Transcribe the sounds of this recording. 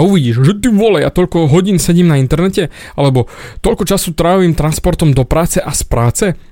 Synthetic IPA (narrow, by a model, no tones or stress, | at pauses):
auʋiɟiːʒʒɛt̪iʋɔlɛja̰t̪ɔʎkɔɦɔɟiːnsɛɟiːmnaint̪ɛɾnɛcɛ | alɛbɔt̪ɔʎkɔt͡ʃasut̪ɾaːʋiːmt̪ɾanspɔɾt̪ɔmd̪ɔpɾaːt͡sɛʔaspɾaːt͡sɛ